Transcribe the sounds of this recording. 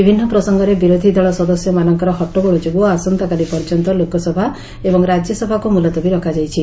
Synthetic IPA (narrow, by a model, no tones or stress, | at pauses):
ibʱinːɔpɾɔsɔŋɡɔɾebiɾod̪ʱid̪ʱɔɭɔsɔd̪ɔsjɔmanɔŋkɔɾɔɦɔʈːɔbɔɭɔd͡ʒobuɔasɔnt̪ɔkalipɔɾd͡ʒɔnt̪ɔlokɔsɔbʱa | ebɔŋɾad͡ʒjɔsɔbʱakumulɔt̪ɔbiɾɔkʰad͡ʒajt͡ʃʰi